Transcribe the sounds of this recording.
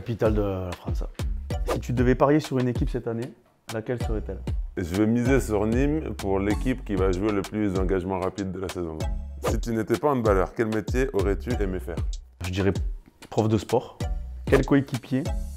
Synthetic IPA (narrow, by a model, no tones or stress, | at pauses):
apit̪ald̪əlafχɑ̃ssit̪yd̪əvɛpaʁjesyʁynekʲipsɛt̪ane | lakʲɛlsəʁɛt̪ɛleʒəvɛmizesyʁnimpuʁlekʲipkʲivaʒueləplysd̪ɑ̃ɡaʒmɑ̃ʁapid̪̚ːəlasɛzɔ̃sit̪ynet̪ɛpaɑ̃d̪balœʁkʲɛlmet̪jeʔɔʁɛt̪yʔɛmefɛ̰ːʁʒəd̪iʁɛ | pχɔfd̪əspɔʁkʲɛlkoekʲipje